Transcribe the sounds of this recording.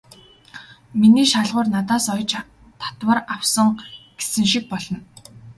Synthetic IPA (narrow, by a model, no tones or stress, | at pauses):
miniːʃaɮʁʊːrnat̪aːsɔjt͡ɕ | t̪ʰḁt̪wə̆rawsə̆ŋɡ̥e̥sɘ̆ŋʃik̚pɔɮɞ̆n